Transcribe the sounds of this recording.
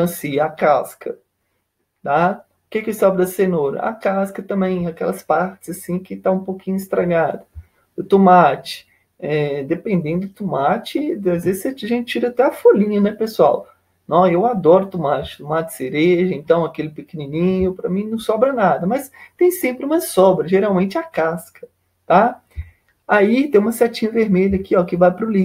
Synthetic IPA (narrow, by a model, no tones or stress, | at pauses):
ɐ̃siakaskɐ̰ | t̪a | ʊkekɪsɔbɾɪd̪ɐsenoɾɐ̰a̰kaskɐt̪ɐ̃mbẽj̃akɛlɐspaɾt͡ʃɪz̥asĩkɪt̪aũpowkĩɲʊist̪ɾaɡad̪ʊ | ʊt̪omat͡ʃɪ̥ | ɛd̪epẽnd̪ẽnd̪ʊd̪ʊt̪omat͡ʃɪazvezɪset͡ʃaʒẽnt͡ʃɪt͡ʃiɾɐat̪ɛɐfolĩɲɐnɛpesuaw | nɐ̃ewad̪ɔɾʊt̪omat͡ʃɪʊ̥t̪omat͡ʃseɾeʒɐẽnt̪ɐ̃w̃akelɪpekenĩnĩɲʊpɾɐmĩnɐ̃w̃sɔbɾɐnad̪ɐmɐst̪ẽj̃sẽmpɾɪũmɐsɔbɾɐʒeɾawmẽnt͡ʃɪakaskɐ̥ | t̪a | ait̪ẽj̃ũmɐsɛt͡ʃĩɲɐveɾmeʎɐkiɔkɪvajpɾʊlĩ